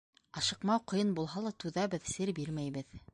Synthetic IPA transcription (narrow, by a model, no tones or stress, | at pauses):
ɑʃɤ̆qmɑwqŏjɤnbulˠɦɑlˠɑt̪ʉðæbɘðsɘɾbiɾmæjbɘð